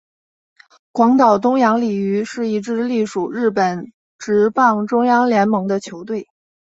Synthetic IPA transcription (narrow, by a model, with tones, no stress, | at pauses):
kwɑ˧˥ŋt̪ɑ˨˩ʊt̪ʊ˥ŋjɑ˧˥ŋli˨˩y˧˥ʂɻ̩˥˩i˧˩ʈ͡ʂɻ̩˥˧li˥˩ʂu˨˩ɻɻ̩˥˩pə˨˩˦n | ʈ͡ʂɻ̩˧˥pɑ˥˩ŋʈ͡ʂʊ˥ŋjɑ˥ŋljɛ˧˥nmɤ˧˥ŋd̪ə˧t͡ɕʰjo˧˥ʊt̪̬we˥˩ɪ